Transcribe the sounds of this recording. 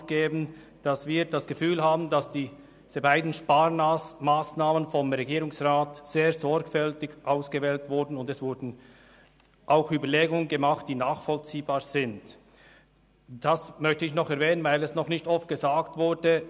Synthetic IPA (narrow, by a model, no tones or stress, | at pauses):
ɡ̥eːbn̩ | d̥asviːd̥asɡ̥əfyːlhaːbn̩dasd̥iː | z̥əbaɪdn̩ʃpaːɾmaːsnaːmənfɔmʁeɡiːɾʊŋsʁaːtz̥eːɐzɔɹkfɛltɪɡʔaʊsɡ̥əvɛːltvʊɾdn̩ʊndɛsv̥ʊɾdn̩ | ʔaʊxyːbɐleːɡʊŋənɡəmaχt̚d̥iːnaːχfɔlt͡siːbaːɹz̥ɪnt | d̥asmœçtəɪçnɔχɛɾvɛːnənvaɪlɛsnɔχnɪçtɔft̚ɡ̥əzaːktvʊɾdə